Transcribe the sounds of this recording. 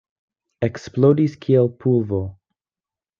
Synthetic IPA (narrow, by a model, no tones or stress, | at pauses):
eksplodiskʰiɛlpʰulvo